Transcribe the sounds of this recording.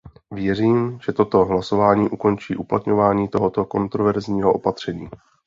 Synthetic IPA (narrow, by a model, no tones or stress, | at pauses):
vjɛriːmʒ̥ɛt̪o̞t̪o̞ɦlaso̞vaːɲiːʔuko̞nt͡ʃiːʔuplat̪ɲo̞vaːɲiːt̪o̞ɦo̞t̪o̞ko̞nt̪ɾovɛɾzɲiːɦoʔopat̪r̝̥ɛɲiː